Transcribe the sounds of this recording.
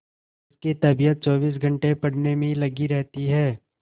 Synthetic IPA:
kit̪ɐbijət̪̚t͡ʃɔːbiːs̬ɡʱɐ̃ɳʈepɐɽnemẽilɐɡiɾɛɦt̪iɦɛː

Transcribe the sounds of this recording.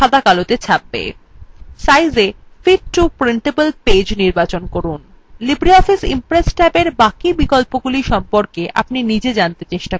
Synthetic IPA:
ʃad̪ʱakalot̪et͡ɕʰabːḛ | sajd͡ʑe | fiʈʈupɾeɳʈebəlped͡ʑniɾbat͡ɕonkoɾun | libɾiɔfisḭmpɾesʈɛbeɾbakibikolpoɡuliʃɔmpoɾkeʔa̰pninid͡ʑed͡ʑant̪et͡ɕeʃʈa

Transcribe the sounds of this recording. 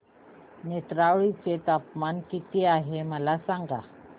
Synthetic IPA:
net̪ɾaʋɭit͡set̪apmankit̪iaɦeməlasaŋɡa̰

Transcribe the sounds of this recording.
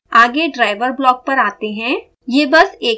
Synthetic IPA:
aːɡeɖɾaːɪʋəɾblɔːk̚pɐɾaːt̪eɦɛ̃ː | jeːbɐseː

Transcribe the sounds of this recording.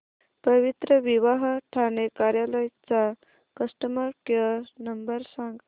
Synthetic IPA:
pəʋit̪ɾəʋiʋaɦʈʰanekaɾjaləjt͡sa | kəsʈəməɾkəɾnəmbəɾsaŋɡ

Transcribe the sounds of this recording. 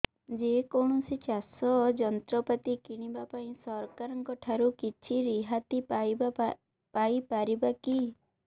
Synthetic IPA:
d͡ʒekɔɳ̃ɔsit͡ʃasɔd͡ʒɔnt̪ɾɔpat̪ikiɽ̃ibapaĩsɔɾkaɾɔŋkɔʈʰaɾukit͡ʃʰiɾiɦat̪ija | paipaɾibaki

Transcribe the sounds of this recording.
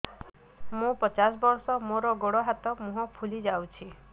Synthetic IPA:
mũpɔt͡ʃas̬bɔɾsɔmoɾɔɡoɽɔɦat̪ɔmũɦɔpʰulid͡ʒawt͡ʃʰi

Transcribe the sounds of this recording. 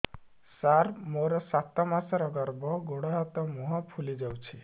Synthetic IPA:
saɾmoɾɔsat̪ɔmasɔɾɔɡɔɾbɔɡoɽɔɦɔt̪ɔmuɦɔpʰulid͡ʒawt͡ʃʰi

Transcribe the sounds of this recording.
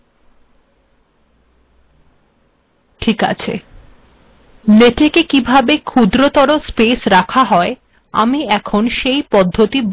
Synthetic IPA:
ʈʰika̰t͡ɕʰḛ | leʈekekibʱabekʰud̪ɾot̪ɔɾospesɾakʰaɦɔe | a̰miɛkʰonʃejpɔd̪ʱːot̪ib

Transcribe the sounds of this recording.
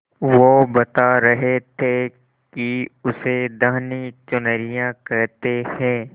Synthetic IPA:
ʋobɐt̪aɾɐɦet̪ʰe | kiʊsed̪əɦnit͡ʃʊnəɾijãkɐɾt̪ehɛ̃ː

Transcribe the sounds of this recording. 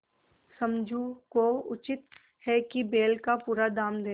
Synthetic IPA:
sɐ̃md͡ʒʱukoʊt͡ʃɪt̪ | hɛkibeːlkapuːɾad̪aːmd̪eː

